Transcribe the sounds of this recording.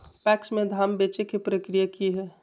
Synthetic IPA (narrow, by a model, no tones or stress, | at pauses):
pɛːksmẽd̪ʱaːmbeːt͡ʃekepɾəkɾijakiɦɛː